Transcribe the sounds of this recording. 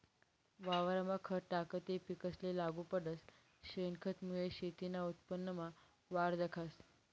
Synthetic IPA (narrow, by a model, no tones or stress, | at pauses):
ʋaʋəɾəmakʰəʈakət̪epikəslelaɡuːpəɖəs | ɕenkʰət̪mujeɕet̪inaut̪̚pənːəma | ʋaɾd̪əkʰas